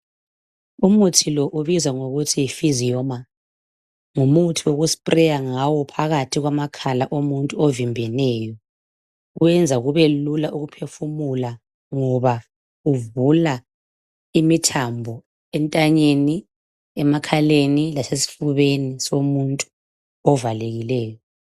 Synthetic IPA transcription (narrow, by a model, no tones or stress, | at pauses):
umutʰilɔʔuβizaŋoɣutʰifizijɔma | ŋumutʰiwoɣuspʼrɛjaŋawɔpʰaɣatʰiɣwamakʰalaʔomuntʼuovimbʱɛnɛːjɔ | uwɛnd͡zʱaɣuβelulaʔuɣupʰefumula | ŋɔβa | uvula | imitʰambʱɔ | ɛntʼaɲeni | ɛmakʰalenilasesi̥fuβenisomuntʼu̥ | ɔvaleɣilɛːjɔ